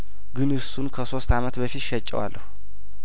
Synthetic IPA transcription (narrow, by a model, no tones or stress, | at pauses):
ɡɨnɨsːunkʰəso̞st̪amət̪bəfit̪ʃɛt͡ʃʼːɛ̰wa̰lːəhu